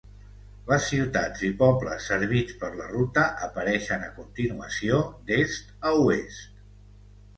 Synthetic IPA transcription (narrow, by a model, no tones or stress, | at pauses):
ləsːiwt̪ad͡zipɔblə̰sːəɾβit͡spəɾlərut̪əʔəpəɾɛʃənəkunt̪inuəsiod̪est̪əuest̪̚